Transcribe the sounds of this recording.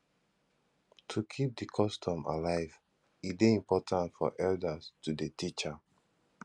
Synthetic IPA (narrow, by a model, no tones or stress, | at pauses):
tʰukʰip̚dikʰɔstʰɔ̃ma̰laɪv | ibiĩmpɔtʰãntfɔ̰ʔɛldastudetit͡ʃa